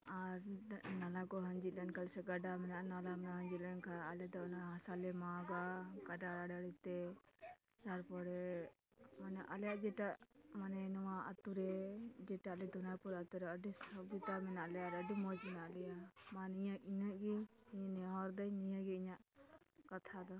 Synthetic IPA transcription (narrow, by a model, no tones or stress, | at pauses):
aɾnalakɔɦəɲd͡ʒit̪̚lɛnkalsɛɡaɖamɛnaʔnalamɛɦəɲd͡ʒit̪lɛnkʰaːljaʔd̪ɔnaɦasalɛmaɡaɡ̥aɖaɽaɖaɽit̪ɛ | daɾpɔɾɛ | manaʔalɛjaʔd͡ʒɛʈaʔmanɛnɔwaat̪uɾɛd͡ʒɛʈalid̪ɔnaɾpɔɾat̪uɾɛəɖisɔbɡit̪amɛnaʔlɛjaɾəɖimɔd͡ʒmɛnaʔlɛjamãnijaʔinəʔɡiɲanɛɔɾd̪ajnijãɡiiɲaʔkat̪ʰad̪ɔ